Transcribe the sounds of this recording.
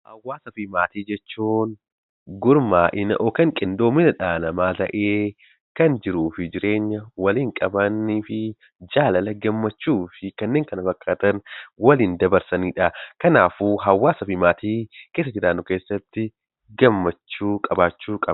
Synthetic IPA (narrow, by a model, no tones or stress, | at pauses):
hɐ̰wːaːsɐfɪmaːt̪iːd͡ʒɛt͡ʃːuːn | ɡʊɾmaːʔɪnɐʔɔkɐŋkʼɪnd̪oːmɪnɐᶑaːnɐmaːt̪ɐ̰ʔeː | kɐnd͡ʒɪɾuːfɪd͡ʒɪɾe̞ːɲːɐwɐliːŋkʼɐbɐnːiːfɪ | d͡ʒaːlɐlɐɡɐmːɐt͡ʃːuːfɪkɐnːe̞ːŋkɐnɐfɐkʼːaːt̪ɐnwɐliːnd̪ɐbɐɾsɐniːᶑɐkɐnaːfuːɦɐwːaːsɐfɪmaːt̪iːkeːs̬ːɐd͡ʒɪɾaːnːʊkeːsːɐt̪ːɪ | ɡɐmːɐt͡ʃːuːkʼɐbaːt͡ʃːuːkʼɐb